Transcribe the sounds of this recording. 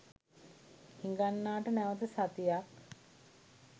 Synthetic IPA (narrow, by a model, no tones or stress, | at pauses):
hiŋɡanːaːʈənæʋət̪əsat̪ijak